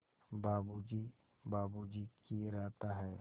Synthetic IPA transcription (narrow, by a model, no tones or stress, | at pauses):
baːbud͡ʒi | baːbud͡ʒikʰiɾɛːt̪aɦɛː